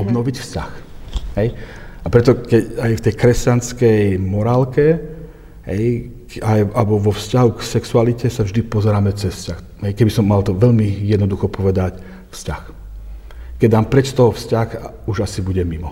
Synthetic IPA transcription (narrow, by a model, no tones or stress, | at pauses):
ɔbnɔʋicfscaxɦɛjʔapɾɛt̪ɔkɛcajft̪ɛjkɾɛscanskɛjmɔɾaːlkɛ | ɦɛ̰j | ajabɔʋɔfscaɦuksɛksualicɛsavʒd̪ipɔzɛɾaːmɛt͡sɛsfscax | ɦɛjkɛɟbisɔmːalt̪ɔʋɛʎmijɛd̪nɔd̪uxɔpɔʋɛd̪ac | fscax | kɛɟd̪aːmpɾɛt͡ʃst̪ɔɦɔfscaxa | uʒasibuɟɛmimɔ